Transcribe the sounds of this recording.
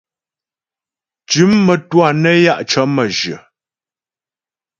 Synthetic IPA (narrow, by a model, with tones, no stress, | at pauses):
t͡ʃʉ˨˦mːə˨twa˦˨nə˦ja˦ʔt͡ʃə˨˦mə˨d͡ʒɥə˨